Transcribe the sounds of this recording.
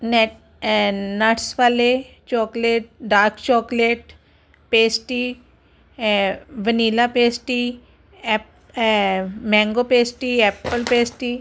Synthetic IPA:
n | naʈsʋale | t͡ʃɔːkleʈ̚ɖaːɾkt͡ʃɔːkleʈ | peːsʈi | ʋəniːlapeːsʈi | p | mɛ̃ːŋɡopeːsʈiɛːpːəlpeːsʈiː

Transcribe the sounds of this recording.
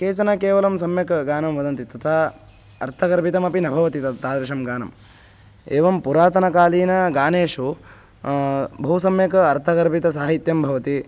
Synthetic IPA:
keːsɐnɐkeːʋɐlɐmsɐmjɐkɡaːnɐmʋɐd̪ɐnt̪it̪ɐt̪ʰa | ɐ̰ɾt̪ʰɐkɐɾbʱit̪ɐmɐpinɐbʱɐʋɐt̪it̪ɐt̪t̪aːd̪ɾɐʂɐmɡaːnɐ̰m | eːʋɐmpuɾaːt̪ɐnɐkaːliːnɐɡaːneːʂu | bʱɐɦusɐmjɐkɐɐɾt̪ʰɐkɐɾbʱit̪ɐsaːɦit̪jɐmbʱɐʋɐt̪i

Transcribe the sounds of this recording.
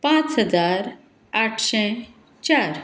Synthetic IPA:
pãt͡sɦəd͡zaɾ | aʈʰɕɛ̃ | t͡ɕaɾ

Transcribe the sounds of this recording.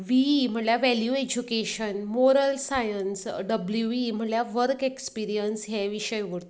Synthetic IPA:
ʋim̤əɳljaʋæljued͡ʑukeɕənmoɾəlsajənsɖəbljuʋim̤əɳljaʋəɾkekspiɾijənsɦɛʋiɕəjʋəɾt̪

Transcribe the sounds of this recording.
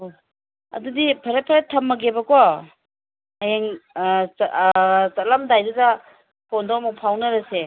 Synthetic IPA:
o | ɐ̰dudipʰɐɾet̚pʰɐɾetʰːɐmːɐɡebɐkɔ | ɐjeŋ | t͡ʃɐlamdajdudɐ | pʰondomuk̚pʰawnɐɾɐse

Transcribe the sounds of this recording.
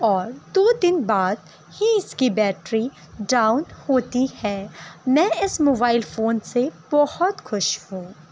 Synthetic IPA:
ɔːɾd̪oːd̪ɪnbaːd̪ | hiɪskibɛːʈɾi | ɖaːʊnhoːt̪ihɛːmɛ̃ːɪsmoːbaːɪlfoːnseb̥ɔhɔt̪xʊʃhũː

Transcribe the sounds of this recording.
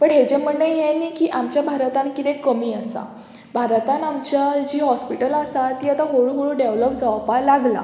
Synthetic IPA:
pəɳɦed͡ʑẽm̤əɳːəjɦenikiːʔamt͡ɕjabʱaɾt̪ãnkit̪ẽkːəmiːasa̰ | bʱaɾt̪anamt͡ɕad͡ʑiːɦɔspiʈəlasat̪iːat̪aɦoɭuɦoɭuɖeʋləp̚d͡zaʋpalaɡla̰

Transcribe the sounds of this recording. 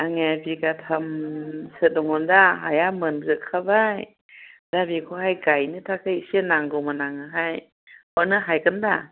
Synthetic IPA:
ʔaŋɛbikat̪ʰamsɯdɔŋɔndaɦajamənɡɯkʰabaj | dabikʰɔhajkajnit̪ʰakʰaisinaŋɡomanaŋaɦaj | pɔnɯɦajkənda

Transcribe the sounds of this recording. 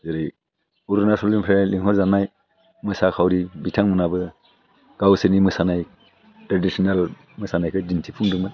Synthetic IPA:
zɯɾɯj | uɾunasʰɔlimpʰɾeliŋhɔɾzanaj | mɯsakʰawɾibitʰaŋmɯnabɯ | ɡ̥awsɯnimɯsanaj | tɾadisʰɔnal | mɯsanajkʰɯdintʰipʰuŋdɯŋbɯ

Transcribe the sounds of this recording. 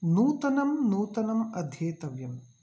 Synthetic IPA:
nuːt̪ɐnɐmnuːt̪ɐnɐmɐd̪ʱjeːt̪ɐʋjɐm

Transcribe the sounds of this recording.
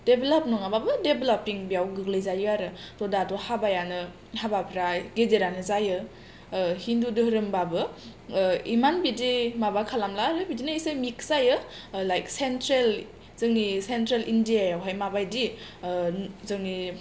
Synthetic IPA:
d̥ebelap̚nɔŋababɯdebelapiŋbijawɡɯklɯjzajuaɾɯtɔdatɔhabajanɯ | habapʰiɾaɡedeɾanɯzajɯ | hindudɯɦɾɯmbabɯ | imanbidimabakʰalamlaɾɯbidinaisajmikzajɯlajksentɾel | zɯŋnisentɾelʔindiajawɦajmabajdi | zɯŋni

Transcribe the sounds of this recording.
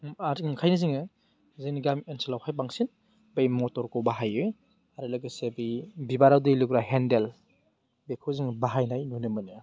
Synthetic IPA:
aɾiŋkʰajnɯziŋɯ | zɯniɡamensɔlawkʰajbaŋsin | bejmɔtɔɾkɔbaɦajɯ | aɾɯlɯɡɯsebibibaɾawdɯjlukɾaɦendel | bekʰoziŋbaɦajnajnunɯmɯnɯ

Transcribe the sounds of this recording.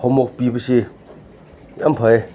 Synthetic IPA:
omokpiːpəɕe | jampʰae

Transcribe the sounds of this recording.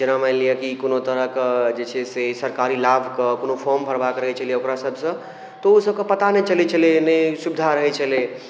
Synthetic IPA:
d͡ʒənamalijəkikonot̪əɾəɦkd͡ʒet͡ʃʰɛsesəɾkaɾilabʱkəkonopʰɔɾmbʱəɾbakɾəɦɛt͡ʃʰəlieokɾasəbʱsə̃ | t̪ɔusəb̚kepət̪anet͡ʃəlit͡ʃʰəlenəsubd̪ʱaɾəɦɛt͡ʃʰəle

